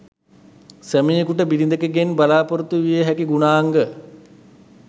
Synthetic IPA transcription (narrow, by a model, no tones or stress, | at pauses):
sæmijekuʈəbilind̪əkeɡenbalaːpoɾut̪uʋijəɦækiɡunaːŋɡə